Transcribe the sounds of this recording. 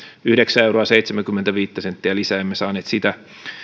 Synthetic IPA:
yhdeksæewroɑsejt̪semæŋkymːent̪æʋiːt̪ːæsent̪ːiælisæːemːesɑːneːt̪sit̪æ

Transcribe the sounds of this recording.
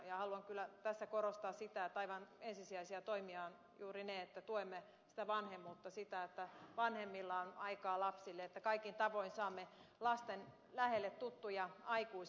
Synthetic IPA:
jɑhɑluɑŋkylːˑæt̪æsːækoɾost̪ɑːssit̪æet̪ːɑiʋɑnensisiæisiæt̪oimiɑːn | juːrineet̪ːæt̪uoemːe | si̥t̪æʋɑnhemːuːt̪ːɑsit̪æet̪ːæʋɑnhemːilːɑonɑikɑːlɑpsilːeet̪ːækɑikint̪ɑʋoinsɑːmːelɑst̪en | læhelːet̪tut̪ːujɑɑikuis

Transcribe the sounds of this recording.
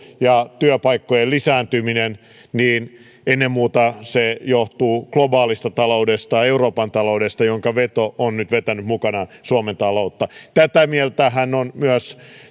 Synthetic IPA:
jɑt̪yøpɑikːojelisæːnt̪yminen | niːn | enːemmuːt̪ɑsejoht̪uːklobɑːlist̪ɑt̪ɑloudest̪ɑeuroːpɑnt̪ɑloudest̪ɑjoŋkɑʋet̪oʔonnyt̪ʋet̪ænyt̪mukɑnɑsuoment̪ɑlout̪ːɑt̪æt̪æmielt̪æhænːonmyøs

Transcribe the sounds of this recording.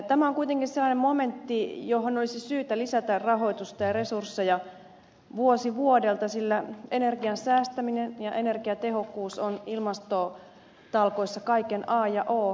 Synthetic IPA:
t̪æmæoŋkuit̪eŋkinselːɑnemmoment̪ːijoɦonolisisyːt̪ælisæt̪ærrɑɦo̞it̪ust̪ɑjɑresursːejɑ | ʋuosiʋuodelt̪ɑsilːæenerɡiɑnsæːst̪æminenjɑʔenerkiɑt̪ehokːuːsonilmɑst̪o | t̪ɑlkoisːɑkɑikenɑːjɑʔoː

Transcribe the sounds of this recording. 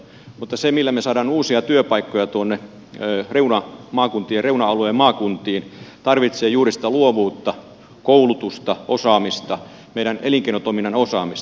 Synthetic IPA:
mut̪ːɑsemilːæmesɑːdɑːnuːsiɑt̪yøpɑikːojɑt̪uonːe | reunɑmɑːkunt̪ˑiːereunɑɑlueːmmɑːkunt̪iːnt̪ɑrʋit̪seːjuːrisi̥t̪æluoʋuːt̪ːɑ | koulut̪ust̪ɑʔosɑːmist̪ɑ | meiɾæneliŋkeˑinot̪oˑminːɑnosɑːmist̪

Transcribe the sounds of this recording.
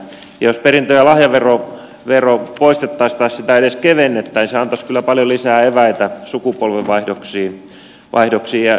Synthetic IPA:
jɑ̰josperint̪øjɑlɑhjɑʋero | ʋeropoist̪et̪ːɑist̪ɑissit̪æeɾeskeʋenːet̪ːæːniseɑnt̪ɑskylːæpɑljolisæːeʋæit̪æsukupolʋeʋʋɑihdoksiː | ʋʔɑ̰ihdoksiːjɑ

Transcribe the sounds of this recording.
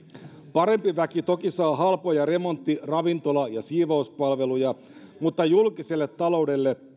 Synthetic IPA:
pɑɾe̞mpiʋækit̪o̞kisɑːɦɑlpo̞jɑre̞mo̞nt̪ːirɑʋint̪o̞lɑjɑsiːʋɑuspɑlʋe̞lujɑ | mut̪ːɑjulkiselːet̪ːɑlo̞wde̞lːe

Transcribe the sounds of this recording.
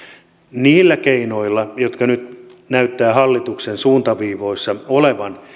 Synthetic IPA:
niːlːækeinoilːɑjot̪kɑnyt̪næyt̪ːæːhɑlːit̪uksensuːnt̪ɑʋiːʋoisːɑoleʋɑn

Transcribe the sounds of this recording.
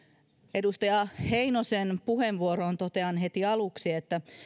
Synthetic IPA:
e̞dust̪ɑjɑhe̞ino̞senpuhe̞nʋuoɾo̞ːnt̪o̞t̪e̞ɑnɦe̞t̪iɑluksiet̪ːæ

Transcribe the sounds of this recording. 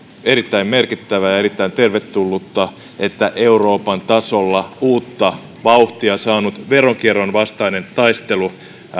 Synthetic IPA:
eɾit̪ːæimmerkit̪ːæʋæjɑerit̪ːæint̪erʋet̪ːulːut̪ːɑ | ʔet̪ːæʔeuro̞ːpɑnt̪ɑsolːɑuːt̪ːɑ | ʋɑuht̪iɑsɑːnut̪ʋeroŋkieronʋɑst̪ɑinent̪ɑist̪elu

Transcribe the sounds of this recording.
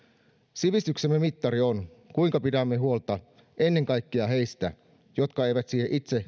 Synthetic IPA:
siʋist̪yksemːemit̪ːɑɾion | kuiŋkɑpitæmːeɦuo̞lt̪ɑ | ʔe̞nːe̞ŋkɑjkːiɑɦe̞ist̪æ̰ | jot̪kɑe̞ijʋæt̪siːheʔit̪se

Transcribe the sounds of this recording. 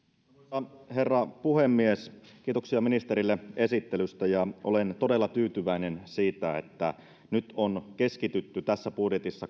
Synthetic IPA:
he̞rːɑpuhemːiesk̟iːt̪oksiɑminist̪eɾilːee̞sit̪ːelyst̪æjɑʔolent̪odelːɑt̪yːt̪yʋæinensiːt̪æḛt̪ːæ̰ | nyt̪onkeskit̪yt̪ːyt̪æsːæpudjet̪isːɑ

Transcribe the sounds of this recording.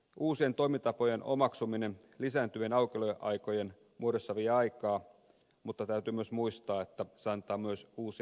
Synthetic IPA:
uːsie̞nt̪oimit̪ɑpojeno̞̰mɑksuminen | lisæːnt̪yenɑwkeloʔɑjkojen | muoɾosːɑʋieɑikɑː | mut̪ːɑt̪æyt̪ymyøsmuist̪ɑːe̞t̪ːæseɑnt̪ˑɑːmyøsuːsi

